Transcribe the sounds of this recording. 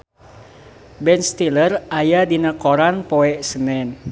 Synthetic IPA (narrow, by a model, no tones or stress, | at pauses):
bɛnst̪ilərajadinakoɾanpoɛʔsənɛn